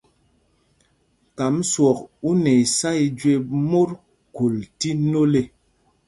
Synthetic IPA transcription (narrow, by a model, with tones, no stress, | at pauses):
ka˨˦mswɔ˨ku˦ne˨i˨sa˦i˨d͡ʒwe˨mo˦ɾ | ko˨lti˦no˦le˨